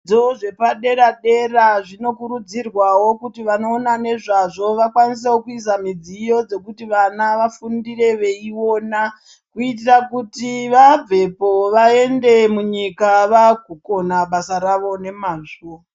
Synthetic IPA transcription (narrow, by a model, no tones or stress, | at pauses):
d͡zo̞ʐe̞paɗe̞ɾaɗe̞raʐino̞kuɾud͡zirwawo̞kutiʋano̞ːnane̞ʐaʐo̞ʋakwanis̬ewokuis̬amid͡zijo̞d͡ze̞kutiʋanaʋafundire̞ʋe̞iwo̞na | kuit̬irakutiʋab͡ve̞poʋae̞nde̞muɲikaʋakuko̞naɓasaɾaʋo̞ne̞maːʐo